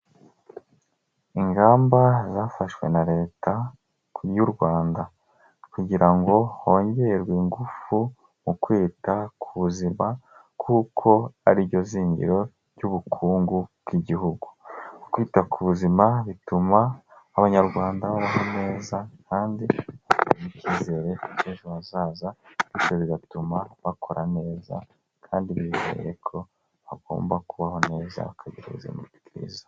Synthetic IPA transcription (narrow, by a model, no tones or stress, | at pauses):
iŋɡaːmbazaːfaʃwe̞̰naɾe̞ːta | juɾɡwaːnda | kuɟiɾaŋɡo̞ho̞ːɲɟe̞ɾɡwiːŋɡufu | mukwiːtakʰuβuzima | kʰuːkʰo̞aɾiɟo̞ziːɲɟḭɾo̞ | ɾɟuβukʰuːŋɡubɡiɟihuɡu̥kwiːtakʰuβuzimaβitumaːβaɲaɾɡwaːndaβaβaɦo̞ne̞ːzakʰaːndiβatemuciːze̞ɾe̞eːʒoβazaːzaβit͡ʃoβiɡatumaβakʰoɾʔane̞ːza̰ | kʰaːndiβiizḛje̞kʰo̞ | aɡo̞̰ːmbakuβaho̞ne̞ːza̰βakʰaɟeɾaizḭːnitikiɾḭzḁ